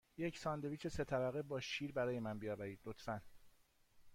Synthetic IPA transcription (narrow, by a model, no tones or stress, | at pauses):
jecʰsɒːnd̪e̞viːt͡ʃʰe̞se̞t̪ʰæbæɣebɒːʃiːɾbæɾɒːjemænbijɒːbæɾiːd̪̥lot̪ʰfæn